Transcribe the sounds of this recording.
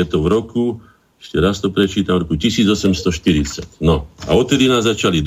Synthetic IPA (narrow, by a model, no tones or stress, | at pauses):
ɛt̪ɔʋɾɔku | ɛʃcɛɾast̪ɔpɾɛt͡ʃiːt̪avɾɔkucisiːd͡zɔsɛmst̪ɔʃt̪iɾit͡sacnɔa̰ɔt̪̚t̪ːɛd̪inaːzzːat͡ʃalid̪